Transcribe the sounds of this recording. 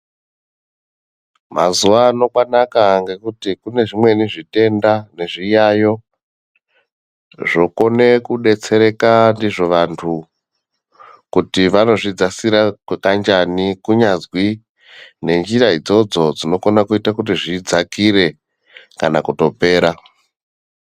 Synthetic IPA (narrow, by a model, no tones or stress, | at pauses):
ma̰zuʋaːno̞kwanakaŋɡe̞kutikune̞ʐimwe̞niʐite̞ndane̞ʐijajo̞ | ʐo̞ko̞ne̞kuɗe̞t͡se̞ɾe̞kandiʐo̞ʋantʰu | kutiʋano̞ʐid͡zasiɾakwekand͡ʒanikuɲazwi | ne̞nd͡ʒiraid͡zo̞d͡zod͡zino̞konakuitakutiʐid͡zakiɾe̞ | kanakuto̞pe̞ːɾa